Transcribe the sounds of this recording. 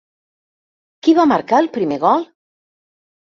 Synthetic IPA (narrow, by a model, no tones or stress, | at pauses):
kiβamaɾkaelpɾimeɣɔl